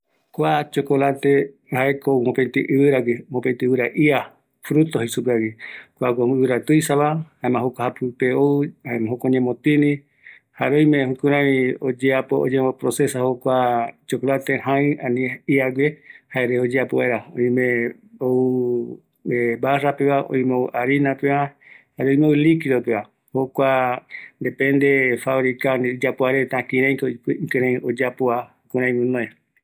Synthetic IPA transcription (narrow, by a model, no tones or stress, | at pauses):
kʷat͡ʃokolat̪e | haekomõpent̪iʔɨβɨɾaɡemõpẽnt̪iɨβɨɾaʔia | fɾut̪oɦisupeaɡikʷakʷoɨɨɾat̪ɨjsaβahãẽmãɦokʷahapɨpeoɨhaemãɦokʷaoɲẽmõt̪ĩnĩ | haɾõj̃mẽhukũɾ̃ãβĩod͡ʒeapoo̰ɲẽmopɾosesahokʷat͡ʃokolat̪eɦãĩãnĩiaɡʷehaeɾeod͡ʒeapoβaeɾaõ̰j̃mẽ | ou | ebarapeβaʔõ̰ĩmoʔaɾinapeβa | haɾoj̃meoulikiɾopeβa | hokʷand̪epẽnd̪efaβɾikaniid͡ʒapoaɾet̪ãkĩɾ̃ẽj̃kkẽɾẽj̃od͡ʒapoahukũɾãj̃mũnõe